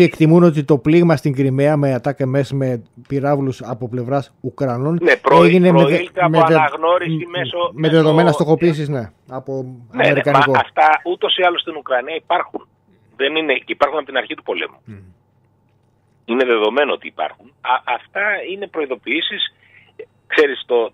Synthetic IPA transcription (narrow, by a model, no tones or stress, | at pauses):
ie̞kt̪imuno̞t̪it̪o̞pliɣmɐst̪iŋɡɾime̞ɐmeɐt̪ɐkeme̞sme̞piɾɐvlusɐpo̞ple̞vɾɐsukɾɐno̞nnepɾoeʝinemoelt̪meɐɐɣno̞ɾisimesomeðeðo̞me̞nɐst̪o̞xo̞piːs̬izne̞ | ɐponɐemeɾkɐniɐkoft̪ɐut̪o̞siɐlost̪inukɾɐniɐipɐɾxun | ðe̞nineipɐɾxunɐpot̪inɐɾçit̪upo̞lḛmu | ine̞ðe̞ðo̞me̞noot̪ḭːpɐ̰ɾxunɐʔɐft̪ɐine̞pɾo̞iðo̞piisis | kse̞ɾist̪o̞